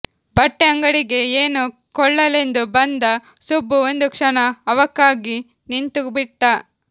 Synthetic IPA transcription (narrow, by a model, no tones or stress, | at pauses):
bɐʈːeɐŋɡɐɽiɡe̞eːnu | kɔɭːɐle̞nd̪ubɐnd̪ɐ | subːuond̪ukʂɐnɐːʋɐkːaːɡi | nint̪ubiʈːɐ